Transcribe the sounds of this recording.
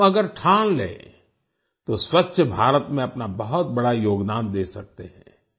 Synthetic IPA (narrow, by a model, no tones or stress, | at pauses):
ɐɡəɾʈʰaːnlḛ̃ː | t̪oswɐtːʃʰəbʱaːɾət̪mẽɐpnabɐɦʊt̪̚bɐɽajoːɡd̪aːnd̪eːsɐk̚t̪eɦɛ̃ː